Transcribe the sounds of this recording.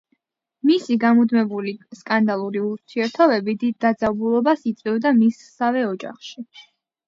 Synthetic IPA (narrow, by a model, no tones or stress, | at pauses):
misiɡamud̪mɛbuliskʼand̪alˠuɾiuɾt̪ʰiɛɾt̪ʰɔbɛbid̪id̪ːad̪zabulˠɔbasit̪sʼwivd̪amisːavɛɔd͡ʒa̰χʃi